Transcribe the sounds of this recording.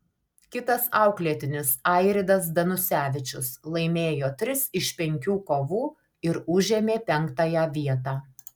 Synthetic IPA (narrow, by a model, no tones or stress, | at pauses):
kʲɪt̪ɐsɑˑʊklʲiɛt̪ʲɪnʲɪsɑˑɪɾʲɪd̪ɐs̬d̪ɐnʊsʲæːʋʲɪt͡ʃʲʊslˠɐɪmʲeːjoːt̪ʲɾʲɪsɪʃʲpʲɛŋʲkʲuːkoːʋuː | ɪɾʊʒʲemʲeːpʲɛŋˑkt̪ɑːjæʋʲiɛt̪ɑː